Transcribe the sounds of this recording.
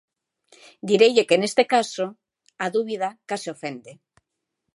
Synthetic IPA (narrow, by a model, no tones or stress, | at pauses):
d̪iɾeʎokene̞st̪ekaso | aðuβ̞iðakaseofe̞nd̪e